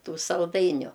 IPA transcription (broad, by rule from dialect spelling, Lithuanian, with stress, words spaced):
ˈtuː sɐlˠˈdɐɪnʲʊ